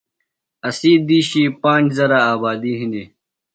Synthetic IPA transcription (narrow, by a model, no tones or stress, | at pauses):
ɐsiːd̪iːɕipãːɳd͡ʑzɐɾaaːbaːd̪iɦĩnd̪i